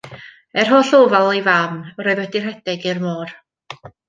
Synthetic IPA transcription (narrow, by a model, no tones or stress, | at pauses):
ɛr̥ɦɔːɬoːvalˠejvaːmrɔjðwɛdir̥hɛdɪɡɪrmoːr